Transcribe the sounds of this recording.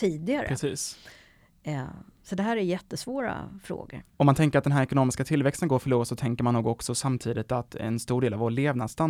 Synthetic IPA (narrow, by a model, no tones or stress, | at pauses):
t̪ʰiːd̪ɪɡaɾəɾɛsiːs | sɔd̪ɛɦæːɾæɾjɛt̪ːəsvoːɾa̰fɾo̰ːɡə̰ɾɔmant̪ʰɛŋkəɾat̪̚d̪ɛnɦæːɾɛkʊnoːmɪskat̪ʰɪlvɛkst̪ənɡoːɾfœɭuːɾsɔt̪ʰɛŋkəɾmanːuːɡɔksɔsamt̪ʰiːd̪ɪt̪at̪ɛ̰nst̪uːɖeːlavoːɭeːvnast̪an